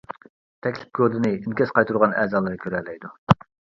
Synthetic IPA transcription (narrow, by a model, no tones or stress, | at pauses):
t̪ʰɛkʲlɪp̚kʰʲøɾd̪ɪnɨinkʲɛsqɑjt̪ʰuɾʁɑnɛ̰ːzɑːlˠɨɾɨkʲʰøɾɛlːɛjd̪u